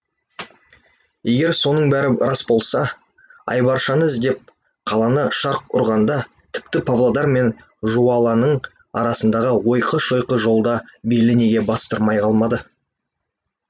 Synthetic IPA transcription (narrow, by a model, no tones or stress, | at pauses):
je̞ɡʲe̞ɾso̞nəɴbæɾɪɾɑsbo̞lˠsɑ | ɑ̰jbɑɾʃɑnəzd̪e̞p̚ | qʰɑlˠɑnəʃɑɾq̚ʊ̰ɾʁɑnd̪ɑ | t̪ʰɪ̥pt̪ɪpʰavlˠad̪ɑɾme̞n | ʒuwɑlˠɑnəɴ | ɑ̰ɾɑsənd̪ɑʁəwo̞jqəʃojqəʒo̞lˠd̪ɑbe̞lɪne̞ɡʲe̞bɑst̪əɾmɑjqʰɑlˠmɑd̪ə